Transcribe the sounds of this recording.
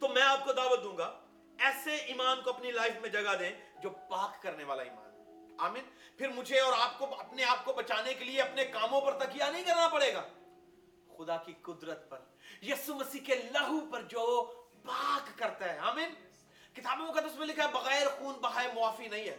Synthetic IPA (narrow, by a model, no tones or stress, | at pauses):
t̪omɛ̃ːaːp̚kod̪aːʋət̪̚d̪ũːŋɡaː | ɛːseiːmaːnkoɐpnilaːɪfmẽd͡ʒɐɡad̪ẽːd͡ʒoːpaːkːɐɾneʋaːlaḭːma̰ːnɦɛ | aːmɪːn | pʰɪɾmʊd͡ʒʱeɔːɾaːp̚koɐpneaːp̚kobɐt͡ʃaːnekelieɐpnekaːmõpɐɾt̪ɐkʰijanɐɦĩkɐɾnapɐɽeːɡaː | xʊd̪akiqʊd̪ɾət̪̚pɐɾ | jiːsumɐsiːkelɐɦupɐɾd͡ʒoːpaːkːɐɾt̪aɦɛːaːmɪːn | kɪt̪aːbnẽmõk̬ɐt̪ẽɪʊs̬mẽlɪkʰaɦɛbɐɣɛːɾxuːnbɐɦaːemʊaːfinɐɦĩɦɛ̰ː